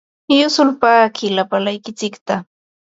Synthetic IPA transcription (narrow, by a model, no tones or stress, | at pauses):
jʊsʊlpaːkɪlapalajkɪt͡sɪkt̪a